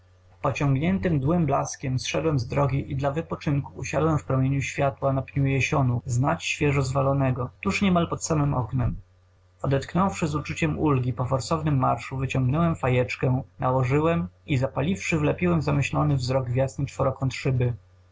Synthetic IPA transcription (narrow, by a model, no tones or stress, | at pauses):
pɔt͡ɕɔŋɡɲɛnt̪ɘmd̪wɘmblaskʲɛmsʂɛd̪wɛmzd̪ɾɔɡʲiʔid̪lavɘpɔt͡ʂɘŋkuːɕad̪wɛmfpɾɔmʲjeɲuɕfʲjat̪wanapɲujɛɕɔnuznat͡ɕɕfʲjɛʐɔzvalɔnɛɡɔt̪uʂɲɛmalpɔt̪samɘmɔ̰knɛm | ɔd̪ɛt̪knɔwfʂɘzut͡ʂut͡ɕɛmulɡʲipɔfɔɾsɔvnɘmːaɾʂuvɘt͡ɕɔ̃ŋɡnɔwɛmfajɛt͡ʂkɛnʔawɔʐɘwɛmizapalʲifʂɘvlɛpʲiwɛmzamɘɕlɔnɘvzɾɔɡvʲjasnɘt͡ʂfɔɾɔkɔ̃t̪ʂɘbɘ